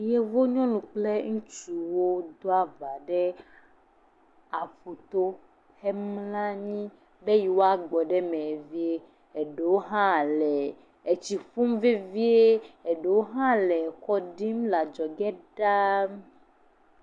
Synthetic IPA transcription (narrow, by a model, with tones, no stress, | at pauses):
je˦vo˦ɲɔ̃˦nũ˨k͡ple˦ŋũ˦t͡ʃu˨wo˦d̪o˦a˦va˨ɖɛ˦ | a˨ɸo˨t̪o˦ | hɛ˦mlã˦ɲĩ˦ | be˦ji˨wo˦a˦ɡ͡bɔ˨ɖɛ˦mẽ˨vi˦e˦ | e˨ɖe˨wo˦ɦã˦˨lɛ˨ | e˨t͡ɕi˨fu˦mve˦vi˦e˦e˨ɖe˨wo˦ɦã˦lɛ˨kɔ˦ɖi˦mla˨d͡ʒɔ˨ɡɛ˦ɖa˦